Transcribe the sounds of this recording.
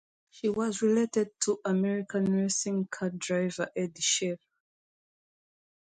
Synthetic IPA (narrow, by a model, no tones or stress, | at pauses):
ʃiwɔzɹiletɛd̚tʰuʔamɛɹikʰãnɹɛsĩŋkʰadɹaɪvəʔɛdiʃɛv